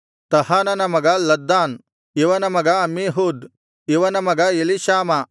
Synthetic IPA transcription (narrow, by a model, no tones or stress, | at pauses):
t̪ɐhaːnɐnɐmɐɡɐlɐd̪ːaːn | iʋɐnɐmɐɡɐɐmiɦud̪ | iʋɐnɐmɐɡɐjeliʃaːmɐ